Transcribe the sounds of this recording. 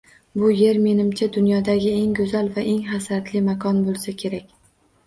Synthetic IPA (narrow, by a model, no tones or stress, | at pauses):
bʊje̞ɾme̞nɪmt͡ʃʰad̪ʊnjɒd̪aɡʲɪe̞ŋɡɵzalvaʔe̞ŋχasat̪lɪmakʰɒnbolˠsakʲʰe̞ɾakʲ